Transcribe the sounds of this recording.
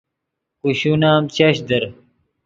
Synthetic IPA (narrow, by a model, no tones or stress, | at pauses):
kuɕunaːmt͡ɕɐɕd̪ɐɾ